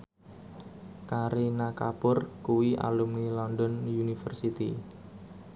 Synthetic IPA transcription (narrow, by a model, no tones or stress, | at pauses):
kaɾinaka̰pʊrkuwiʔa̰lumnilɔndɔnjunifərsit̪i